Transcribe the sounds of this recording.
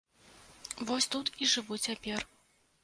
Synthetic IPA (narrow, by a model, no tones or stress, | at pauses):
vɔsʲt̪ut̪iʐɨvut͡sʲapʲɛr